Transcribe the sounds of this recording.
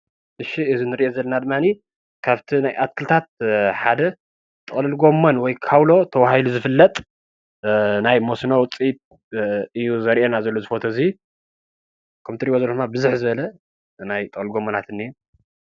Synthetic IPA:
ʔɨʃiɨzinɨɾiʔezɐlːɐnad̪ɨmːani | kʰaβt̪ʰinajʔat̪̚kʰɨlt̪ʰat̪̚ħad̪ɐ | t̪ʼɨχʼlɨlɡo̞mːonwɔjkʰawlo̞t̪ʰɐwahiluzɨfɨlːɐt̪ʼ | najmosnowt͡sʼit̪ | ɨjːuzɐɾʔenazɐlːo̞zɨfot̪ʰozi | kʰɐmt̪ʰɨɾiwozɐlod̪ɨmabɨzuħzɨβɐlɐ | najt̪ʼɨkʼlɨlɡo̞mːɐnat̪ɨnːiu

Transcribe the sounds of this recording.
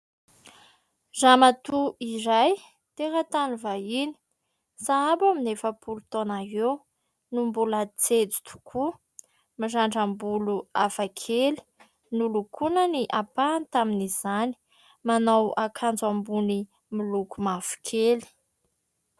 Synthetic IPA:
zamat̪uiɾaj | t̪eɾat̪anuvaini̥ | saabaminefəpʰulut̪onaɦew | numbulat͡sed͡zi̥t̪ʰu̥kʰu | mazaɳɖ͡ʐambuluafakʰeli̥ | nulukʰunəniʔapant̪aminizani̥ | manawakʰand͡zambuni | milukumafu̥kʰeli̥

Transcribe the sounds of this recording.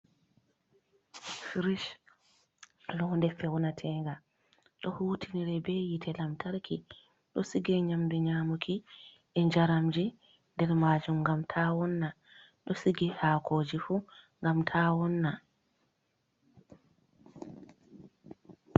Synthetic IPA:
fiɾiʃ | lɔndɛfɛwnatʰɛŋɡa | ɗɔhuːtʰiniɾɛbɛjitʰɛlamtʰaɾkʰi | ɗɔsiɡɛɲambiɲaːmukʰi | ʔɛɲd͡ʒaɾamd͡ʒi | ndɛɾmaːd͡ʒumŋɡamtʰaːwɔnːa | ɗɔsiɡɛhaːkʰoːd͡ʒifuŋɡamtʰawɔnːa

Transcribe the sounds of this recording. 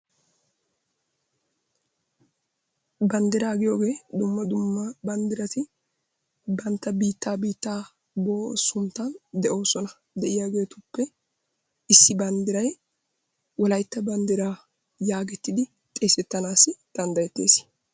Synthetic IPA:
bɐnd̪ɪɾaːɡɪjo̞ːɡe̞ːd̪ʊmːɐd̪ʊmːɐbɐnd̪ɪɾɐt̪ɪ | bɐnt̪ːɐbiːt̪ːaːbiːt̪ːaː | bo̞ːsʊmt̪ɐnd̪ɛʔo̞ːsɔnɐ | d̪ɛʔɪjaːɡe̞ːt̪ʊpːɛ | ɪsːɪbɐnd̪ɪɾɐj | wɔlɐjt̪ːɐbɐnd̪ɪɾaː | jaːɡɛt̪ːɪd̪ɪ | t̪ʼe̞ːsɛt̪ːɐnaːsɪd̪̥ɐnd̪ɐjɛt̪ːeːs

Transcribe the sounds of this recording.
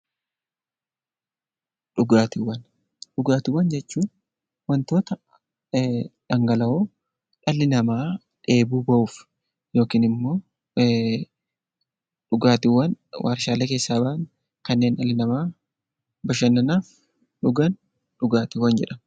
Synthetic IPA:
ᶑʊɡaːt̪ɪwɐn | ᶑʊɡaːt̪ɪwːɐnd͡ʒɛt͡ʃːuːn | wɐnt̪o̞ːt̪ɐ | ᶑɐŋɡɐlɐoː | ᶑɐlːɪnɐmaː | ᶑe̞ːbuːbɐʔuːf | jo̞ːkiːnɪmːo̞ː | ᶑʊɡaːt̪ɪwːɐnwʔa̰ːɾʃaːleːke̞ːsːaːbɐʔɐn | kɐnːe̞ːnᶑɐlːɪnɐmaː | bɐʃɐnːɐnaːf | ᶑʊɡɐn | ɗʊɡaːt̪ɪwɐnd͡ʒɛᶑɐ

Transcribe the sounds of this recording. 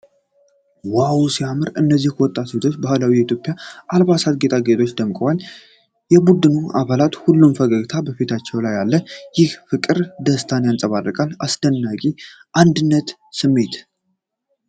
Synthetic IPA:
wawsiamɨɾɨnːəzːihkʰwɔt̪ʼːat̪et̪ʰo̞t͡ʃːbahlawijɛit̪ʰjo̞pʼjaʔalβasat̪ɡet̪ʼaɡet̪ʰo̞t͡ʃːd̪əmkʼəwal | jɛbud̪ɨnua̰βalat̪hulːumfəɡəɡt̪ʰabəfit̪ʰat͡ʃːɛwlajːalːəjɪhfɨkʼɨɾd̪əst̪ʰanejansʼəβarːəkʼalasd̪̥ənːakʼi | ʔand̪ɨnːət̪ | sɨmːe̞t̪

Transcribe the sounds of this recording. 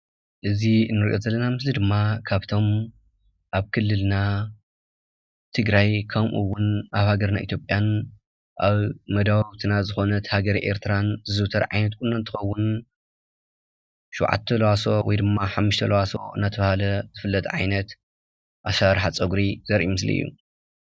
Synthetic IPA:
ʔɨzinːɨɾiʔo̞zɐlːɐnamɨslid̪ɨmːakʰaβt̪ʰo̞m | ʔaβkʰɨlːɨlna | t̪ʰɨɡɾajkʰɐmʔṵwːʊnaβhaɡɐɾnaʔḭt̪ʰjopʼjan | ʔaβmɐd̪awɐβt̪ʰɨnazɨxo̞nɐt̪haɡɐɾiʔḛɾt̪ʰɾanzɨzɨt̪ʰɐɾʕajnɐt̪̚kʼunːant̪ʰɨ̥xɐwːʊn | ʃuwʕa̰t̪ʰːɐlɐwaso̞wɔjd̪ɨmːaħamːuʃt̪ʰɐlɐwaso̞ɨnːat̪ʰɐβahalɐz̥ɨfɨlːɐt̪ʰʕa̰jnɐt̪ | ʔaʃaɾħat͡sʼɐɡɾiz̥ɐɾʔiumɨslḭɨ̰jːṵ

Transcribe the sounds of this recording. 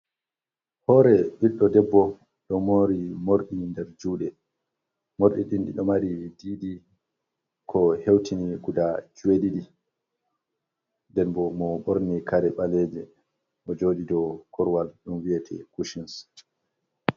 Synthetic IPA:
hɔɾɛɓiɗːɔdɛbːɔ | ɗɔmoɾimoɾɗindɛɾd͡ʒuːɗɛ | moɾɗiɗinɗḭɗɔmaɾidiːɗi | kʰɔhewtʰiniɡudad͡ʒuwediɗi | ndɛnbɔmɔɓoɾnikʰaɾɛɓalɛd͡ʒɛ | ʔɔd͡ʒoːdidɔkʰɔɾwalɗunwiɛtʰɛ̰kuʃins

